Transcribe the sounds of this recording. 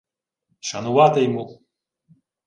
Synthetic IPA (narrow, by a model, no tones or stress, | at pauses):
ʃɐnʊʋɑt̪ɪjmu